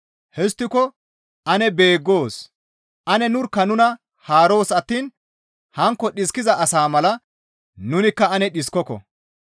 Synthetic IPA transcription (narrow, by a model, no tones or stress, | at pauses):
hɛs̬t̪ːɪkɔ | ʔɐnɛbe̞ːɡːo̞ːs | ʔɐnɛnʊɾkːɐnʊnɐ | haːɾo̞ːsɐt̪ːiːn | hɐŋkːɔɗɪskːɪzɐʔɐsaːmɐlɐ | nʊnɪkːɐɐnɛɗɪskːɔkɔ̰